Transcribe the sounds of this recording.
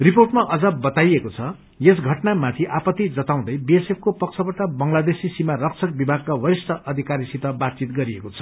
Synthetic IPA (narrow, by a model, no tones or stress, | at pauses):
riporʈmaʔʌd͡zʌbʌt̪ajekot͡sʰʌ | jes̬ɡʱʌʈnamat̪ʰiʔapʌt̪ːid͡zʌt̪aw̃d̪ʌjbiesepʰkopʌk̚t͡sʰʌpʌʈabʌŋlad̪esisimarʌkt͡sʰʌk̚bibʱaɡ̚kawʌɾist̪ʌʔʌd̪ʱikaɾisit̪ʌbat̪̚t͡sit̪ɡʌɾiekot͡sʰʌ̥